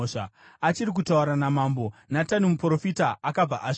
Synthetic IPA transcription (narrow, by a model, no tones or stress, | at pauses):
ʂa | at͡ʃiɾik̬utauɾanamaːmbo̞natanimupro̞fitaʔːkab͡va̰ʔaʂ